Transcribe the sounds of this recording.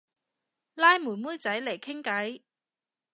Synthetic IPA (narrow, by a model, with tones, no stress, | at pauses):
laː˥jmuː˨˩muː˥jt͡sɐ˨˥jle˨˩jkʰɪ˥ŋkɐ˨˥j